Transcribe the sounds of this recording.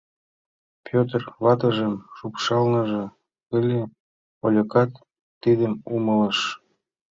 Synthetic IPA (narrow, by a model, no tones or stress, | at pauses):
pʰʲot̪̬rβɑt̪ə̆ʒəmʃupʃɑlnɤ̆ʒɤ̆ | kəlʲe | olʲə̆kɑt̪ː | id̪əmumələ̆ʃ